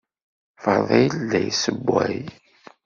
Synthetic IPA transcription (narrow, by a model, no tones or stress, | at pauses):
fəðˤijlːæjsəbːæj